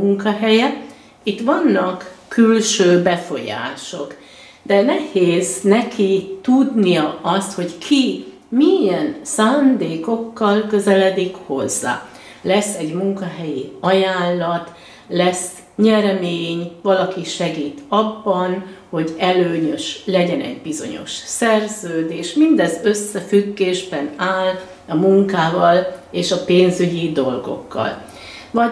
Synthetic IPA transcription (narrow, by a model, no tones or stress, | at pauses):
uŋkɒɦɛjɛ | it̪ːʋɒnːɒkːylʃøːbɛfo̞̰ja̰ːʃo̞k | d̪ɛnɛheːznɛkʰit̪ud̪nijɒʔɒst̪ho̞ɟkʰi | miɛnsaːnd̪eːko̞kːɒlkø̞zɛlɛd̪ikho̞zːa̰ː | lɛsːɛɟmuŋkɒɦɛjiɒjaːlːɒt̪ | lɛs | ɲɛɾɛmeːɲvɒlɒkiʃɛɡiːt̪ɒbːɒnho̞ɟɛløːɲø̞ʃlɛɟɛnɛ̰ɟbizo̞̰ɲo̰ʃsɛrzøːd̪eːʃmind̪ɛzøsːɛfyɡːeːʒbɛnaːl | ɒmuŋkaːvɒleːʃɒpeːnzyɟid̪o̞lɡo̞̰kːɒ̰l | vɒ